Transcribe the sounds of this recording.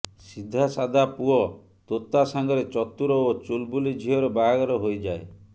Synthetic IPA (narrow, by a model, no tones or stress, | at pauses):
sid̪ʱːasad̪ʱapuɔ | t̪ot̪ːasaŋɡɔɾet͡ʃɔt̪ːuɾɔot͡ʃulbulid͡ʒʱiɔɾɔbaaɡɔɾɔɦojd͡ʒae